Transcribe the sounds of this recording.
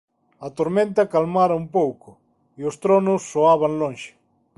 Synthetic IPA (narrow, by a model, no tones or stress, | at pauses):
ɐt̪oɾmẽnt̪akalmaɾɐumpowkʊ | iost̪ɾonʊsːoaβaŋlõŋʃɪ̥